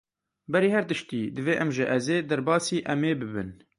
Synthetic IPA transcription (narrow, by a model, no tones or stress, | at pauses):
bɛɾiːhɛɾt̪ɨʃt̪iːd̪ɨveːʔɛmʒɪʔɛzeːd̪ɛɾbɑːsiːʔɛmeːbɨbɨ̰n